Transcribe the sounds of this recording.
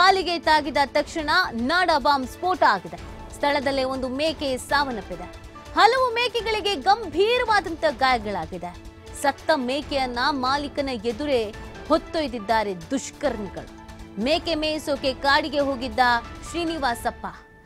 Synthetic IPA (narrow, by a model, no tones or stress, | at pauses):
kaːliɡet̪aːɡid̪ɐt̪ɐkʂɐɳɐnaːɽɐbaːmspoːʈaːɡid̪e | st̪ʰɐɭɐd̪ɐlːio̞nd̪umeːkesaːʋɐnɐpːid̪e | hɐlɐʋumeːkeɡɐɭiɡe̞ɡɐmbʱiːɾɐʋaːd̪ɐnt̪ɐɡaːjɐɡɐɭaːɡid̪e | sɐt̪ːɐmeːkejɐnːɐmaːlikɐnɐjed̪uɾe | hot̪ːojd̪id̪ːaːɾed̪uʃkɐɾɳiɡɐɭu | meːkemeːjisoːkekaːɽiɡe̞ɦo̞ːɡid̪ːɐʃɾiniʋaːsɐpːa